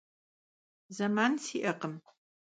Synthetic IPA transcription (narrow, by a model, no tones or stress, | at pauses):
zɐmaːnsiːʔɐqəm